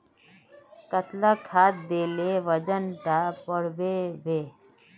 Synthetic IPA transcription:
kət̪lakʰaːt̪̚d̪eːleʋəd͡ʒənʈ̪apəɽbebʱeː

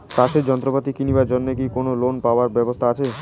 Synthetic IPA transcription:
kaʃeɾd͡ʑɔnt̪ɾopat̪ikinibaɾd͡ʑonːek̬ikonolonpaoaɾbɛbost̪ʰaat͡ɕʰe

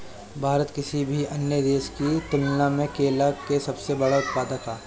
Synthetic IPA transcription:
bʱaːɾət̪kɪsibʱiɐnjəd̪eːʃkit̪ʊlnamẽkeːlakesɐbsebɐɽaʊt̪paːd̪at̪ʰaː

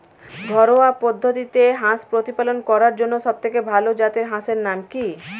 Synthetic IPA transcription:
ɡʱɔɾoapod̪ʱːot̪it̪eɦãspɾot̪ipalonkɔɾaɾd͡ʑonːoʃɔb̚t̪ʰekebʱalod͡ʑat̪eɾɦãʃeɾnamki

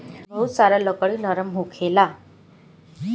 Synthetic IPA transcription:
məusaɾaləkəɭiːnəɾəmɦokʰela

